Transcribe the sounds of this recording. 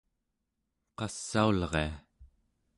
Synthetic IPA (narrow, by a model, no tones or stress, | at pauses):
qɑsːaulʁea